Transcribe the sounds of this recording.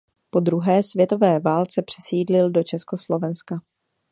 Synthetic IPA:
po̞d̪ɾuɦɛːsvjɛt̪o̞vɛːvaːlt͡sɛpr̝̥ɛsiːdlɪldo̞t͡ʃɛsko̞slo̞vɛnska

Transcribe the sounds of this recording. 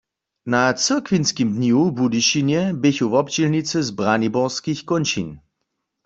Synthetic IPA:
nat͡sɨʁkʋinskimdnjubudiʃinjɛbɪçuvɔpd͡ʒilnit͡səzbʁanibɔʁskixkonʃḭn

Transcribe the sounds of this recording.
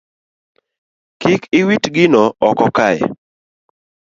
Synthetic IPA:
kɪkɪwitɡɪnɔɔkɔkajɛ̰

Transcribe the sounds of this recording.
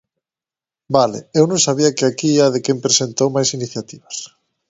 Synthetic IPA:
balḛewnõŋsaβ̞iakeakieaðekempɾesent̪owmajsiniθjat̪iβas

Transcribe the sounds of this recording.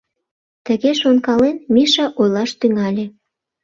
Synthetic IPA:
t̪əɣeʃonkɑlenmiʃɑʔojlɑʃt̪yŋɑlʲe

